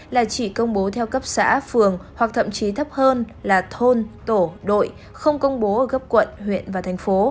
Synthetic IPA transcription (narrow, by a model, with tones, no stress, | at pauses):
laː˨˩t͡ɕi˧˩kə˧wŋ͡mɓo˨˦t̪ʰɛ˧wkə˦˥p̚sa̰ː˧˥fɨ˨˩əŋhwa˨˩k̚t̪ʰə̰˧˨mt͡ɕi˨˦t̪ʰə˦˥p̚həː˧n | laː˨˩t̪ʰo˧nt̪o˧˩ɗo̰˧˨j | xə˧wŋ͡mkə˧wŋ͡mɓo˨˦ʔəː˧˩ɣə˦˥p̚kwə̰˧˨nhwḭ˧˨ənvaː˨˩t̪ʰa˨˩jŋ̟fo˨˦